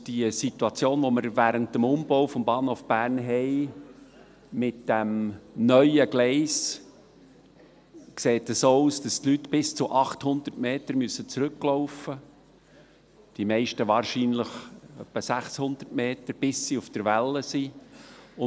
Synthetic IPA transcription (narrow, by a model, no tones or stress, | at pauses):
d̥iəsit̪uɑt͡sjoːnʋoməɾvæːɾəntəmʊmb̥owfɔmbɑːnhoːfb̥æːɾnɦɛɪ | mɪt̚d̥æmnœʏəɡlɛɪs | kseːtəsoːuːsd̥ɑstlytːb̥ɪst͡sʊʔɑχthʊnd̪ərtmeːtəɾmysːət͡sɾʏkːloʊfə | d̥imɛɪʃtəʋɑːɾʃiːnləχœpːəsæχshʊnd̪ərtmeːtəɾb̥ɪsːiufd̥əɾʋælːəsi | ʊ